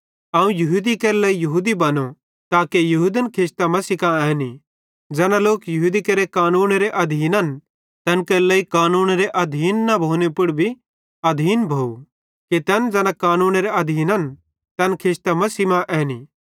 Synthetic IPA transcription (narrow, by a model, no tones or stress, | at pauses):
aːũjɐɦuːd̪ikɛːɾlɐijɐɦuːd̪ibɐno | t̪aːkejɐɦuːd̪ənkʰɪst̪amɐsiːkãɛɦni | d͡zɛːnaloːkjɐɦuːd̪ikɐɾekaːnuːnɾeʔɐd̪ʱiːnɐn | t̪ɐnkɛːɾlɐikaːnuːnɾeʔɐd̪ʱiːnːɐbʱoːnepʊɽbʱi | ɐd̪ʱiːnbʱoːu | kit̪ɛnd͡zɛːnãkaːnuːnɾeɐd̪ʱiːnɐn | t̪ɐnkʰɪst̪amɐsimãʔɛːni